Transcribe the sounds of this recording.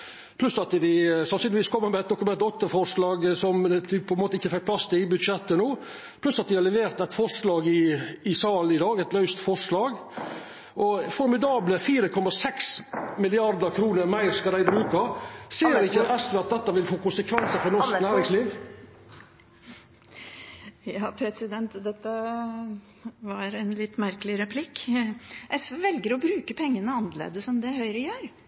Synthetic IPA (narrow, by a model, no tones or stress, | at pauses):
pʰlʉsɑt̪d̪ɪsɑnsyːnɪʋiːskʰɔmːəmɛɛt̪̚d̪ʊkʉmɛnɔt̪ːəfɔʂlɑːɡsɔmd̪ɪpʰɔɛnmoːt̪ɪçːəfɛk̚pʰlɑst̪ɪɪbʉd̪ʃɛt̪ːənuː | pʰlʉsɑt̪̚d̪ɪhɑɾlɛʋeːɾt̪ɛɪt̪fɔʂlɑːɡɪɪsɑːlɪd̪ɑːɡɛɪt̪lœʉst̪fɔʂlɑːɡ | ʔɔfɔɾmɪd̪ɑːbləfiːɾəkʰɔmːɑsɛksmɪlɪɑɾd̪əɾkʰɾuːnəɾmæɪɾskɑd̪æɪbɾʉːkɑseːɾɪçːəɛsʋɛɑt̪̚d̪ɛt̪ːəʋɪlfoːkʊnsəkʰʋɛnsəfɔɾnɔknæːɾɪŋsliːʋ | jɑːpʰɾɛsɪd̪ɛnt̪d̪ɛt̪ːə | ʋɑɾɛnlɪt̪ːmæɾkəlɪɾɛpʰlɪk | ʔɛsʋeːʋɛlɡəɾɔbɾʉːkəpʰɛŋːənəɑnːəlḛːd̪əsɔmd̪ɛhœʏɾəjøːɾ